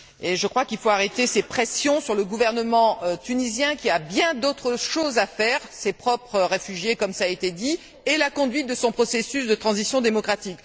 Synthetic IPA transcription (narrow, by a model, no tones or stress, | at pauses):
eʒəkχwakilfoaʁet̪esepχesjɔ̃syʁləɡuvɛʁnəmɑ̃t̪ynizjɛ̃kʲiabjɛ̃d̪ot̪χəʃozafɛʁsepχɔpχəʁefyʒjekɔmsaet̪ed̪i | elakɔ̃d̪ɥit̪̚d̪əsɔ̃pχɔsesysd̪ət̪χɑ̃zisjɔ̃d̪emɔkχat̪ik